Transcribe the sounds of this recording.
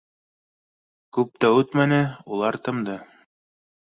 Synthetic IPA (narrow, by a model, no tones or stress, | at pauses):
kʉp̚t̪æʉt̪mænɘulˠɑɾt̪ɤ̆md̪ɤ